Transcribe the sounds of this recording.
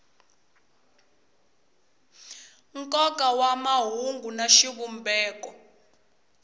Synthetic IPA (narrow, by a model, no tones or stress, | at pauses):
ŋkʼɔkʼawamaɦuŋɡʱunaʃiɓumbʱɛːk̬ʼɔ